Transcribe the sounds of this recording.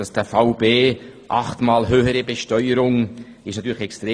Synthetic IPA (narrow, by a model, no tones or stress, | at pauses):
ɑsd̥əfaʊbeːʔɑ̰χtmɑːlɦøːhəɾəbeʃtœʏəɾʊŋ | ɪʃnɑt̪yːɾləxɛkstɾeː